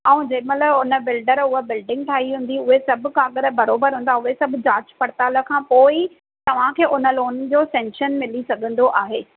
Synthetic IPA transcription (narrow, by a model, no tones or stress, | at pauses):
ãːũd͡ʑɐ̃ːmɐt̪əbʊnə̆bɪlɖəɾʊɦəbɪlɖɪ̃ŋɡ̚ʈʰaːɦiɦũːn̆d̪iʊɦesɐbʱʊ̆kãːɠəɾ̆bɐɾoːbəɾɦũnd̪aʊɦesɐbʱʊd͡ʑaːt͡ɕpɐɽt̪aːlə̆kʰãːpoːi | t̪ɐʋ̤ãkʰeːʔʊnə̆loːnd͡ʑoːsɛ̃ŋʃənmɪlisɐɡʱə̃nd̪oʔaːɦeː